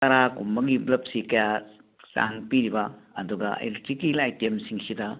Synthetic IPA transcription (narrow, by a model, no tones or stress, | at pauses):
kɐɾakumːɐɡiblɐp̚sikɐja | sa̰ŋpiɾibɐɐ̰duɡɐ̰ḛletɾikːilajtemsiŋsidɐ